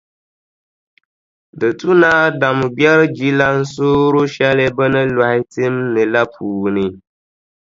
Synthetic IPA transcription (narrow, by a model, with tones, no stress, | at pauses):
dɨ˨tu˦na˦da˨m˨bjɛ˦ɾɨ˦d͡ʒi˦la˦n̩˦soː˦ɾo˦ʃɛ˦lɨ˦bɨ˦nɨ˦la˨hɪ˦tɨ˦mnɨ˨la˦pʰuː˨nɨ˨